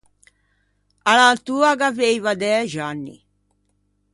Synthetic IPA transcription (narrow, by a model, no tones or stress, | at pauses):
alalt̪uːaɡavejvad̪ɛːʒanːḭ